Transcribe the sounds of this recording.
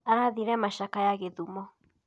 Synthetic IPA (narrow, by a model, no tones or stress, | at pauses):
aɾaðiɾɛmaʃakajaɣeðumɔ